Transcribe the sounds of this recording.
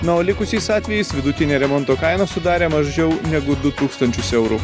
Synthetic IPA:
nɐoːlʲɪkʊsʲiɪsɑːt̪ʲʋʲɛjɪsʋʲɪd̪ʊt̪ʲɪnʲeːɾʲɛmɔnt̪oːkɐɪnɐsʊd̪ɑːɾʲeːmɐʒʲd͡ʒʲɛʊnʲɛɡʊd̪ʊt̪uːkst̪ɐnʲt͡ʃʲʊsɛʊɾʊ̰

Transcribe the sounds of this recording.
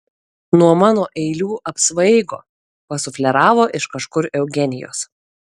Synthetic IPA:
nuɔmɑːnoːʔɛɪlʲuːʔɐpsʋɐɪɡo̰ː | pɐsʊfʲlʲɛɾɑːʋoːʔɪʃkɐʃkʊɾɛʊɡʲɛnʲɪjo̰ːs

